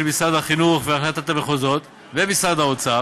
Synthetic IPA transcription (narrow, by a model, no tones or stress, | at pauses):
bisad̪aχinuχveaχlat̪at̪ameχozo̞t̪ | vebisad̪haot͡sa